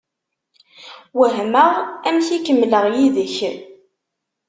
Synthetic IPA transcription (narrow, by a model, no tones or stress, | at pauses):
wəɦməʁæmçikəmːləʁjiðəç